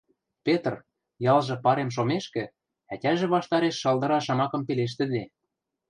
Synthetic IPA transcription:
pet̪r | jɑlʒɤ̆pɑɾemʃ̬omeʃkɘ̆ | ætʲæʒĕβɑʃt̪ɑɾeʃːɤld̪ɤ̆ɾɑʃɑmɑkɤ̆mpeleʃ̬t̪ɘ̆d̪e

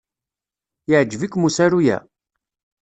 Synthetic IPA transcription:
jəʕd͡ʒːəvikːmusæɾujæ̰

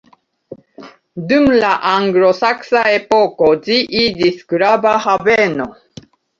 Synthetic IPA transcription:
d̪umlaʔaŋɡlosaksaepokod͡ʒiʔid͡ʒiskɾabahaveno

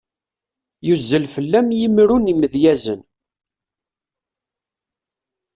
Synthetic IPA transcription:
juzːəlfəlːæmjimɾuniməðjæzən

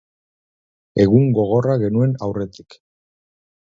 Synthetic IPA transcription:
e̞ɣuŋɡo̞ɣ̞o̞raɣe̞nue̞nawre̞t̪i̥k

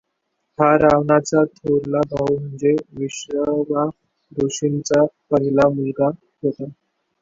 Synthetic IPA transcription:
haɾaʋɳat͡sat̪ʰoɾlabʱawm̤əɳd͡zeʋiɕʋəba | d̪oɕint͡sapəɦilamulɡa | ɦot̪a

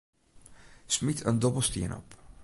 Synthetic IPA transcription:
smitʰə̰ndɔbl̩ˠstḭənɔ̰p

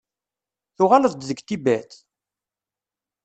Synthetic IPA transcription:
θʊʁaləðˤd̪ðəɡt̪ibæt̪

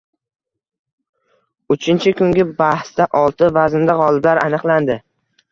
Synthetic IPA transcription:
ʊt͡ʃʰɪnt͡ʃʰɪkʊŋɡʲɪbahst̪aʔɒlˠt̪ɪvazɪnd̪aʁɒlˠɪblaɾanɨqlˠand̪ɪ

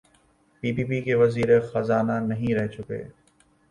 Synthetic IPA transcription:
piːpiːpiːkeːʋɐziːɾxɐzaːnanɐɦĩɾɛɦet͡ʃʊkḛː

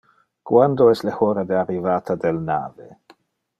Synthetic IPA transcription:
kwand̪oɛslexoɾad̪earivaːt̪ʰad̪elna̰ːve

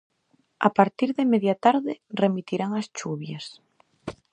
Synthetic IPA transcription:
a̰paɾt̪iɾðemeðjat̪aɾðɪremit̪iɾaŋast͡ʃuβjas

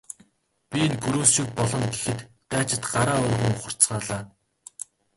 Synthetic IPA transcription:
pʲiinɡɵɾuːsʃĭk̚pɔɮɞ̆nɡexɘ̆t̪ːæːt͡ɕɪ̆t̪ɢaɾaːʊrʲʁʲɘ̆ŋχə̆r̥t͡sɢaːɮaː

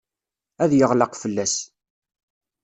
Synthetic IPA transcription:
æðjəʁlɑqfəlːæs

